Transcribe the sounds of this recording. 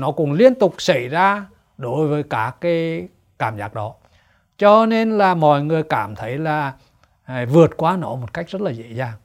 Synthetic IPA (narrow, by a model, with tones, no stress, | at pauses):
nɔ˨˦kʊ̰˧˥ŋ͡mli˧ənt̪ʊ˨˩k͡p̚sa˧˩jzaː˧ | ɗo˨˦jvəː˨˦jkaː˦˥kːaː˨˦j | kaː˧˩mzaː˦˥k̚ɗɔ˨˦ | t͡ɕɔ˧ne˧nlaː˨˩mɔ̰˧˨jŋɨ˨˩əjkaː˧˩mt̪ʰə˨˦jlaː˨˩ | vɨ˨˩ət̚kwaː˧nɔ˨˦mo˨˩t̚ka˦˥jk̟̚z̥ə˦˥t̚laː˨˩zḛ˧˥zaː˨˩ŋ